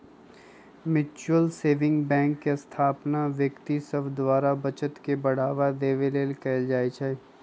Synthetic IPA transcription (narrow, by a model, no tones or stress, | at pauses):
mɪt͡ʃəlseːʋɪ̃ŋɡbɛ̃ːŋkːest̪ʰaːpnaʋjəkt̪isəbd̪waːɾabɐt͡ʃət̪kebɐɽ̤aːʋad̪eːʋeleːlkɛːld͡ʒaːet͡ʃʰɛ